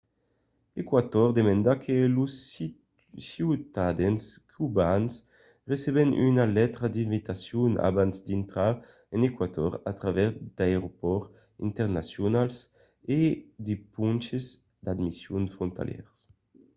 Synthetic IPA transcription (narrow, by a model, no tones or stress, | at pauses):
ekwat̪ɔʁd̪emɛ̃nd̪akʰelusː | iwt̪ad̪ɛnskʰybans | ʁeseβɛnʔy̰nalɛt̪ɾad̪ĩɱvit̪asjuna̰bansd̪int̪ɾa | ɛnekwat̪ɔ̰ʁat̪ɾavɛzd̪aeʁopɔʁ | ḭnt̪ɛʁnasjonals | ed̪epunt͡ʃez | d̪ad̪misjunfɾont̪a̰ljɛ̰ʁs